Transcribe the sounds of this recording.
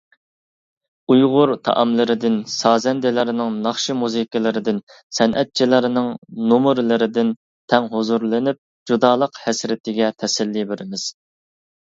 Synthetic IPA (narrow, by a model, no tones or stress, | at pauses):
ujʁʊɾt̪ʰɑ̰ʔɑmlɪɾɪd̪ɪnsɑːzɛnd̪ɪlɪɾɪnɪŋnɑχʃimuzikʲɪlˠɪɾɪd̪ɪn | sɛnʔɛt̪̚t͡ʃʰilɪɾɪnɪŋnomʊɾlɪɾɪd̪ɪn | t̪ʰɛŋɦozuɾlˠɨnyp̚ | d͡ʒud̪ɑːlˠəqhɛsɾɪt̪ʰɪɡʲɛt̪ʰɛsɛlːibeɾɪmɪz̥